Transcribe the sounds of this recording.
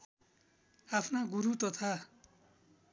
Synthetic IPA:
apʰnaɡuɾut̪ʌt̪ʰa

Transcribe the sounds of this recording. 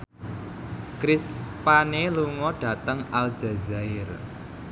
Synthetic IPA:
kɾispaneluŋɔɖ̥ä̤t̪əŋal̥d͡ʒ̥a̤zaɪr

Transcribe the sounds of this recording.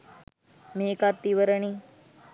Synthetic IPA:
meːkat̪ːiʋəɾəɳi

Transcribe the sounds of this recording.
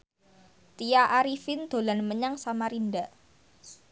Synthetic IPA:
t̪iaʔaɾifɪnd̪̥o̤lanməɲaŋsamaɾinda

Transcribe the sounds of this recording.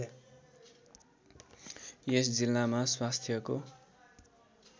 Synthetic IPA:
jesd͡zilːamaswast̪ʰjʌko

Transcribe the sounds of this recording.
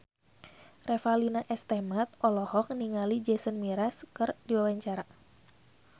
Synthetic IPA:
rɛfalinaʔɛst̪ɛmat̪̚ɔlɔhɔk̚niŋalid͡ʒɛsənmiɾaskɨrdiwawaɲt͡ʃaɾa

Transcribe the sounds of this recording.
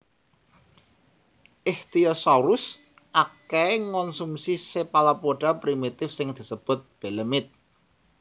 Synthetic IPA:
ʔɪht̪iɔsaɾʊs | ʔakeeŋɔnsumsisepalapoɖ̥a̤pɾimit̪ɪfsɪŋd̪̥i̤səb̥ʊ̤t̪̚b̥e̤ləmɪt̪̚

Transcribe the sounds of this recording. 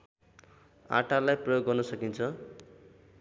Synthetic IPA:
a̰ʈalajprʌjoɡːʌrnʌsʌkint͡sʰʌ

